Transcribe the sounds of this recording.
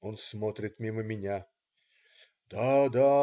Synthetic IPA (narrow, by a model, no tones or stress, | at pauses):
onsmot̪ɾʲet̪mʲemɪmʲinʲæ | d̪ɑd̪ɑ